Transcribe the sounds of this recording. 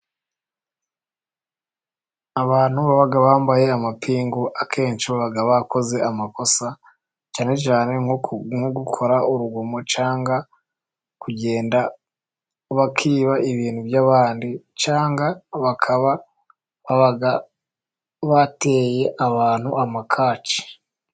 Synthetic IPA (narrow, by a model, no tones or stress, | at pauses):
aβaːnhuβaβaɡaβaːmbaje̞amapʰiːŋɡoʔakʰe̞ːnt͡ʃiβaβaɡaβako̞ze̞ʔamako̞sa | t͡ʃaːne̞t͡ʃaːne̞ŋuɡukʰo̞ɾaʔuɾuɡomo̞t͡ʃaːŋɡa | kuɟe̞ːnda | βakʰiːβaʔiβiːn̥huvjaβaːndi | t͡ʃaːŋɡaβakʰaβa | βaβaɡa | βate̞je̞ʔaβaːn̥huamakʰaːt͡ʃi̥